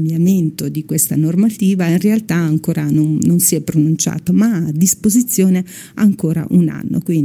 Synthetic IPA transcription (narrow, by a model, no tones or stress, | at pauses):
bjament̪od̪ikwest̪anormat̪iːvainrealt̪aaŋkoːɾanonnonsiɛpːɾonunt͡ʃa̰ːt̪omaːd̪ːispozit̪sːjoːne | aŋkoːɾa̰ʔuna̰nːo̰kwin